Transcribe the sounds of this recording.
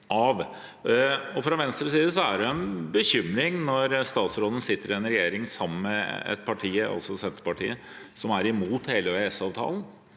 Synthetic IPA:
ʔɑʋ | ɔfɾɑʋɛnst̪ɾəsiːd̪əs̬ɔæɖɛɛnbəçʏmːɾɪŋnɔɾst̪ɑːt̪sɾoːd̪ən̩sɪt̪ːəɾɪɛnɾɛjeːɾɪŋsɑmːənmɛɛ̰t̪̚pʰɑʈʰiːəɑ̰lsɔsɛnt̪əɾəpɑʈʰḭːə | sɔmæɾɪmuːt̪heːləʋeɛsɑːʋt̪ʰɑ̰ːln

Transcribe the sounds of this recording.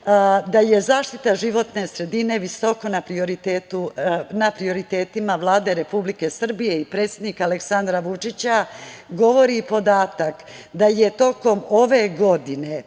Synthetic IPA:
d̪aje̞zaːʃt̪it̪aʒiʋo̞t̪ne̞sɾe̞d̪ine̞ʋiso̞ko̞napɾioɾit̪eːt̪unapɾio̞ɾit̪e̞ːt̪imaʋlˠaːd̪e̞ɾe̞publike̞sr̩bije̞ipɾet̪sʲje̞d̪nikaaleksand̪ɾaʋut͡ʃit͡ɕaɡo̞ʋo̞ɾipo̞d̪aːt̪ak | d̪aje̞t̪o̞ko̞mo̞ʋe̞ɡo̞d̪ine̞

